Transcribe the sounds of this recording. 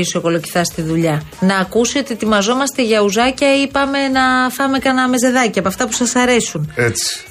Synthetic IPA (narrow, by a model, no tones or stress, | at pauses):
isoko̞lo̞ci̥θɐst̪iðuʎɐnɐːkusio̞t̪ie̞t̪imɐzo̞mɐst̪e̞ʝɐuzɐcɐipɐme̞nɐθɐmekɐnɐme̞ze̞ðɐciɐpoɐft̪ɐpusɐsɐɾe̞sunet͡si̥